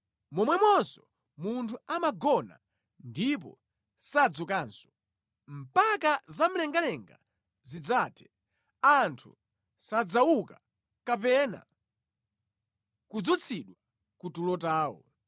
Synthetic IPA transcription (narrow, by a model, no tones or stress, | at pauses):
mɔmwɛmwɔnsɔ̥ | muntʰuamaɡɔna̰ | ndip̬ɔ̰ | sad͡zukaːnsɔ̥ | m̩pakazam̩lɛŋɡalɛŋɡa̰ | zid͡zaːtʰɛ̥ | antʰṵ | sad͡zawuka | kapɛna̰ | kud͡zɔt͡sʰiɗwa | kutulɔtaːwɔ̰